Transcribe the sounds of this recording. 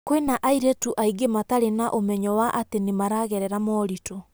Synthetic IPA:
kwenaʔaiɾɛtuʔaiɡemataɾenaʔomɛɲɔwaʔatenemaɾaɣɛɾɛɾamɔːɾito

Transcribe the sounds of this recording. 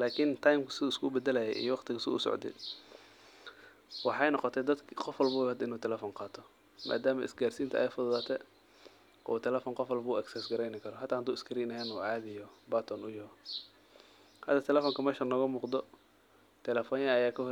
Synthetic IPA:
laːkʰɪnt̪ʰajmkʰɐ̥sɪðuːɪskʰʊbɛd̪ɛlɐjɛ̰ʔḭjɔwɑqt̪ʰɪɣɐsɪʊ̰sɔ̰ʕd̪ɛ̰ | wɑħɑjnɔqɔt̪ʰɛd̪ɐd̪kʰqɔfwɔlbuːhɐd̪ɪnuːt̪ʰɛlɛfɔnqɑːt̪ʰɔ | mʔa̰ːd̪aːmɐʔɪ̰sɡaːrsiːnt̪ɐʔɛjfʊðʊðaːt̪ʰɛ | ʔɔːt̪ʰɛlɛfɔːnqɔfwɔlbʊɐksɛsɡɐɾɛjnɪkʰɐɾɔɦɐt̪ʰːaːhnd̪uːɪskʰɐɾiːnɐɦɛnuːʕɑːðɪjɔbaːt̪ʰɔnʊjɐhɔ | hɐ̰d̪ɐt̪ʰɛlɛfɔːŋkʰɐmɛːʃɐnɔɣɐmuːqd̪ɔ | t̪ʰɛlɛfɔːnjɐːjaːkʰɐhɔ

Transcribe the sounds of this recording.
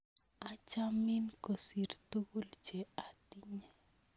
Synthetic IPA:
at͡ʃaminkosirt̪ukuld͡ʒɛat̪iɲa

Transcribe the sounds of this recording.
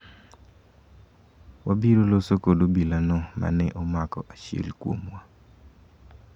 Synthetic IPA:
wabiɾolosokodobilanɔma̰nɛʔɔmakɔʔat͡ʃḛlkwo̰mwa

